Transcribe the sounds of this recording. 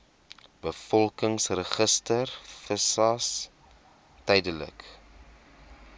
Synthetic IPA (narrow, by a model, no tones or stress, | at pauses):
b̥əfɔlˠkəŋsrəχəstərfəsɐs | tɛjdələ̰k